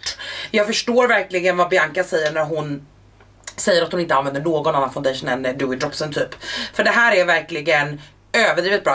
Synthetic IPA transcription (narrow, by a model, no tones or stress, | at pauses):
jɑːɡfœʂʈoːɾvæɾklɪɡənvabjaŋkasɛjːəɳæɾɦʊn | sɛjːəɾat̪hʊnɪnt̪əanvɛnd̪əɳoːɡɔnanːanfaʊnɛːʂənɛnd̪ʉːɪd̪ɾɔpsənt̪ʰyːpfœɖɛɦæːɾæɾvæɾklɪɡən | øːvəɖɾiːvɪt̪̚bɾɑː